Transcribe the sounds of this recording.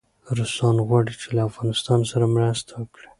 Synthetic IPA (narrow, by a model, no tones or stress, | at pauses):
ɾʊsɑnɣwɑɽit͡ʃelaːfɣɑnɪst̪ɑnsaɾamɾast̪ʰawəkɽi̥